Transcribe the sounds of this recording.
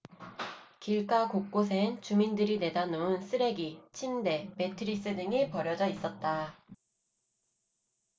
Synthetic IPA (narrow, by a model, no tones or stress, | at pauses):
kiɭk͈akok̚k͈osʰe̞nt͡ɕumindɯɾine̞danouns͈ʰɯɾe̞ɡit͡ɕʰinde̞me̞tʰɯɾis͈ɯdɯŋipʌɾjʌd͡ʑʌis͈ʌt̚t͈a